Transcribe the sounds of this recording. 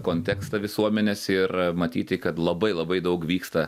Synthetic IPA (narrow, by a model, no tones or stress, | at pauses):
koːnʲt̪ʲɛːkst̪ɐʋʲɪsuɔmʲɛnʲeːsɪrmɐt̪ʲiːt̪ʲɪkɐt̪lˠɐbɐɪlˠɐbɐɪd̪ɐʊkʋʲiːkst̪ɐ